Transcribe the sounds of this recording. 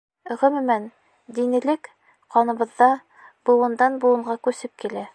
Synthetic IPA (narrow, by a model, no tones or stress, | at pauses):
ʁɘ̆mɘ̆mæn | d̪inɘ̆lɘk | qɑnɤ̆βɤ̆ðːɑ | bŭlˠɤ̆nd̪ɑnbulˠɤ̆ɴɢɑkʉsɘp̚kilæ